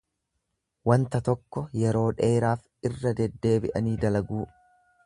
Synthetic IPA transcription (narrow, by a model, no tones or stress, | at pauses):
wɐnt̪ɐt̪ɔkːɔjɛɾo̞ːᶑe̞ːɾaːf | ɪrːɐd̪ɛd̪ːe̞ːbɪʔɐniːd̪ɐlɐɡuː